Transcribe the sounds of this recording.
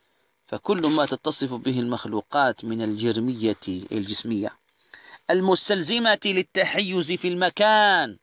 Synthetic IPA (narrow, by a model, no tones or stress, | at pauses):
fakʊlːmat̪ɑt̪ːɑsˤɨfbɪɦɪlmaxluːqɑːt̪mɪnald͡ʒɪɾmɪjːaa̰ld͡ʒɪsmɪjːa̰ | ʔalmʊst̪alzamalɪt̪ːaħajːʊzfilmakaːn